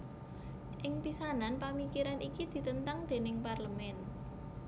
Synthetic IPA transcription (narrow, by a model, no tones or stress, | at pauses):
ʔɪŋpisananpamikiɾanʔikid̪̥i̤t̪ənt̪aŋd̪̥e̤nɪŋparləmɛn